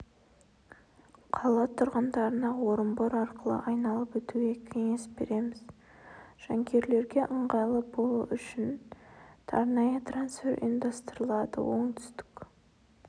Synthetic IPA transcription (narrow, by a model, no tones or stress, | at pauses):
qʰɑlˠɑt̪ʰʊɾʁɑnd̪ɑɾənɑwo̞ɾəmboɾɑɾqəlˠə̰ʔɑjnɑlˠəpwɵt̪uɡʲe̞kʲʰe̞ŋe̞sbe̞̰ɾe̞mɪz | ʒ̥ɑŋkʲʰe̞ɾle̞ɾɡʲe̞ʔəɴʁɑlˠəbolˠuʔʏʃɪnt̪ʰɑ̰ɾnɑjət̪ɾansfe̞ɾʔḭjnd̪ɑst̪əɾəlˠɑd̪ə̰wo̞̰ɴt̪ʰʏ̥st̪ɪ̥kʲ